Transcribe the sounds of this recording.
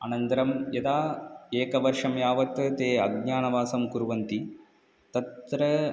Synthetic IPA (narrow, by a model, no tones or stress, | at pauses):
ɐ̰nɐnt̪ɐɾɐmjed̪aːeːkɐʋɐɾʂɐmjaːʋɐt̪t̪eːɐɡ̚ɲaːɳɐʋaːsɐmkuɾʋɐnt̪i | t̪ɐt̪ɾɐ